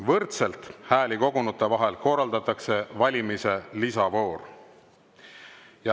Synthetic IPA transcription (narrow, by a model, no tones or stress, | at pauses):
vɤrt̪se̞lt̪hæːliko̞ɡunut̪ːˑe̞vɑɦe̞lko̞rɑld̪ɑt̪ːˑɑkse̞vɑlʲimise̞lisɑvo̞ːr | jɑ